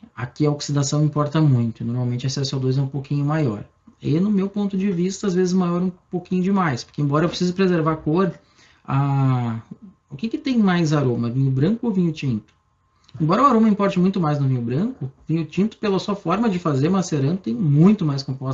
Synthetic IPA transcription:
a̰kɪɐoksid̪asɐ̃w̃ĩpɔɾt̪ɐmũj̃t̪ʊɪnoɾmawmẽnt͡ʃʊasɛsʊawd̪ojzɛũpowkʰĩɲʊmajɔ̰ɾ | ɪ̰nʊmewpõnt̪ʊd͡ʒɪvist̪ɐazvezɪzmajɔɾũpowkĩɲʊd͡ʒɪmajspʊɾkẽbɔɾɐewpɾɪsizʊpɾezeɾvakoɾ | a | ʊkɪkɪt̪ẽj̃majzaɾõmɐvĩɲʊbɾɐ̃ŋkʊovĩɲʊt͡ʃĩnt̪ʊ̥ | ẽmbɔɾɐʊaɾõmɐĩpɔɾt͡ʃɪmũj̃t̪ʊmajznʊvĩɲʊbɾɐ̃ŋkʊvĩɲʊt͡ʃĩnt̪ʊ̥pelɐsuɐfɔɾmɐd͡ʒɪfazeɾmaseɾɐ̃nʊt̪ẽj̃mũj̃t̪ʊmajskõpɔs

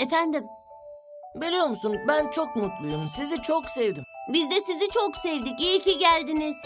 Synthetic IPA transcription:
efænd̪im | belʲijoɾmusunbænt͡ʃʰok̚mut̪lˠujumsizit͡ʃʰoksevd̪imbizd̪ɛsizit͡ʃʰoksevd̪iciicʰiɟælʲd̪iniz̥

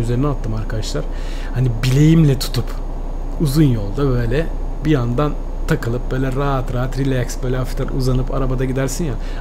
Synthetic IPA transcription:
yzeɾinɛat̪ʰːɯmaɾkʰad̪aʃlˠaɾ̥ | hanibilʲe̞jimlʲɛt̪ʰu̥t̪ʰup | uzunjo̞lˠd̪abø̞jlʲɛ | bijand̪an | t̪ʰakɯlˠɯp̚bø̞ːjlʲɛɾaat̪ɾaːat̪ɾilʲæksbø̞jlʲɛafi̥t̪aɾuzanɯpʰa̰ɾabad̪aɟid̪æɾsinja

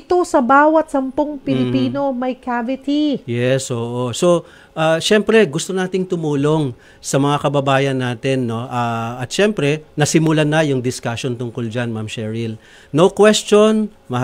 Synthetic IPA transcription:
t̪o̞sɐbaːwɐt̪̚sɐmpoŋpɪlɪpiːno̞mɐjkavɪt̪ijɛsʔoːʔo̞so̞ | ʔaːʃɛmpɾɛɡʊst̪onaːt̪ɪŋt̪ʊmuːlo̞ŋ | sɐmɐŋakɐbɐbaːjɐnːaːt̪ɪnːo̞ʔaːɐt̪ʃɛmpɾɛnɐsɪmʊlanɐjʊŋd̪ɪskaʃo̞nt̪ʊŋkold͡ʒanmamʃɛɹɪl | nokwɛst͡ʃo̞n | mɐ

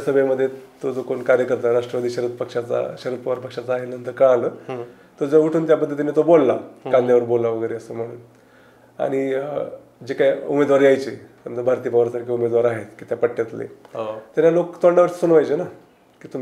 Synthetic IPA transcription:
asəbʱəjməd̪ʱːjet̪od͡zokonkaɾjəkəɾt̪aɾaʂʈɾəʋad̪iɕəɾət̪̚pəkʂat͡sa̰ɕəɾət̪̚pəʋaɾpəkʂat͡saaɦelnənt̪əɾkəɭaləː | t̪əd͡zouʈʰuːnt̪japəd̪ʱːjet̪̬anit̪obolːakãnd̪ʱjaʋəɾbolːaʋəɡəjɾeəsəːm̤əɽ̃uːn | a̰ɽ̃i | d͡ʑekajumed̪ʋaɾiajt͡ɕiməɳd̪əbʱaɾt̪iːpəʋaɾasaʈkʰiːumed̪ʋaɾaɦet̪kiːt̪japəʈːet̪lḛt̪aɾjalokt̪oɳɖaʋəɾsə̥sunʋajt͡ɕena | kiːt̪um

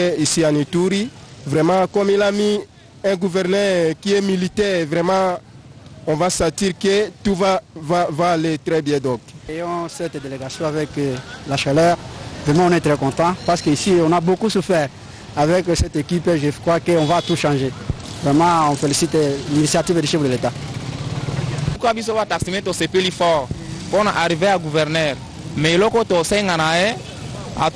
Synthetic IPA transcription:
eisiãnit̪uʁivʁɛmɑ̃kɔmilami | ɛ̃ɡuvɛʁnœʁkiɛmilit̪ɛʁevʁɛmɑ̃ | ɔ̃vasɑ̃t̪iʁkət̪uvavavaːlet̪ʁɛbjɛ̃d̪ɔ̃kejɔ̃sɛt̪d̪eleɡasjɔ̃avɛklaʃalœːʁvʁɛmɑ̃ɔ̃nɛt̪ɾɛkɔ̃t̪ɑ̃paʁsə̥køisiɔ̃nabokusufɛʁ | avɛksɛt̪ekipeʒəkʁwakəɔ̃vat̪uʃɑ̃ʒevʁɛmɑ̃ɔ̃felisit̪linisjat̪ived̪iʃɛbd̪əlet̪a | ukabis̬ovat̪aksimet̪osepelifɔʁpɔna̰ʔaʁiveaɡuvɛʁnɛʁ | mɛelɔkot̪osɛŋanaɛ | a̰

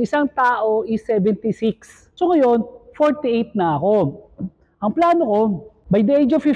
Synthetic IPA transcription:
ɪsaŋt̪aːʔoʔɪsːɛvɛnt̪ɪsɪks | sokɐjonfoɹt̪iʔejt̪̚nɐʔɐko̞ | ʔɐŋplaːnoko̞ | bɐjd̪ɛʔejd͡ʒofɪ

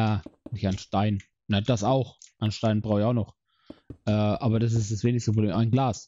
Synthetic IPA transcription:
jaːnɪçaɪnʃtaɪn | nad̥asaʊxʔanʃtaɪnbʁaʊɪçaʊxnɔχ | ʔɛːʔaːbɐdas̬ɪstd̥asv̥eːnɪçstəpʁoblḛːmʔaɪnɡlaːs

